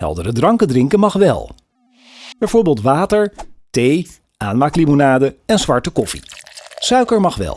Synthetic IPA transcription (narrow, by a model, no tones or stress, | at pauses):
ɦɛ̰lˠdəɾədrɑŋkədrɪŋkənmɑχʋɛ̰lˠ | b̥ɛjvoːɹbeːlˠtʋaːtəɹtej | ʔaːnmaːklimonaːdəɛnzʋɑɹtəkɔfḭsœɥkəɹmɑχʋɛ̰lˠ